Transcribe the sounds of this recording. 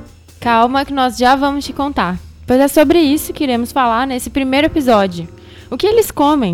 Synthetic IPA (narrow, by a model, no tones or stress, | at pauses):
kawmɐkɪnɔzʒavɐ̃mʊst͡ʃɪkõnt̪aɾpojzɛsobɾɪisʊkɪiɾẽmʊsfalaɾnesɪpɾimejɾʊepizɔd͡ʒiʊ | ʊkɪelɪskõmẽj̃